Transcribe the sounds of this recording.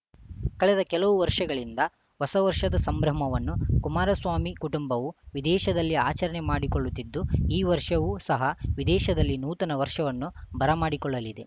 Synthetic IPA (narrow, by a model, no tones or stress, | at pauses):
kɐɭɛd̪ɐkɛlɐʋuʋɐɾʂɐɡɐɭind̪ɐ | ʋɐsɐʋɐɾʂɐd̪ɐsɐmbɾɐmɐʋɐnːukumaːɾɐsʋaːmikuʈumbɐʋuʋid̪ɛːʃɐd̪ɐlːiaːt͡ʃɐɾɐɳemaːɽikoɭːut̪ːid̪ːuiːʋɐɾʂɐʋusɐɦɐʋid̪ɛːʃɐd̪ɐlːinuːt̪ɐnɐʋɐɾʂɐʋɐnːubɐɾɐmaːɽikɔɭːɐlid̪e